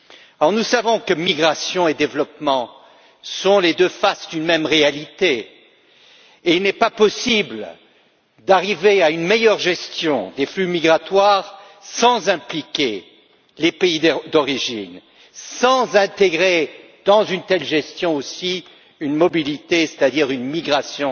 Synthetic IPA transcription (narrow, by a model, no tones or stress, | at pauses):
ɔʁnusavɔ̃kəmiɡʁasjɔ̃ed̪evlɔpmɑ̃ | sɔ̃led̪øfasd̪ynmɛmʁealit̪e | eilnɛpapɔsibl | d̪aʁiveaynmejœʁʒɛst̪jɔ̃d̪eflymiɡʁat̪waʁ | sɑ̃zɛ̃plikʲe | lepeid̪ɔʁiʒin | sɑ̃zɛ̃t̪eɡʁe | d̪̥ɑ̃zynt̪ɛlʒɛst̪jɔ̃osi | ynmɔbilit̪ese̥t̪ad̪iʁynmiɡʁasjɔ̃